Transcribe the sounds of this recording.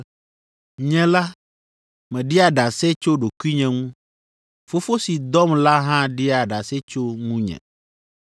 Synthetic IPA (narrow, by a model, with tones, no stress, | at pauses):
ɲɛ̃˦la˦ | mɛ̃˨ɖi˦a˨ɖa˨sɛ˦t͡ʃo˦ɖo˨ku˦i˦ɲɛ̃˨ŋũ˦ | fo˦fo˦si˨d̪ɔ˦mla˦ɦã˦ɖi˦a˨ɖa˨sɛ˦t͡ʃo˦ŋũ˦ɲɛ̰̃˨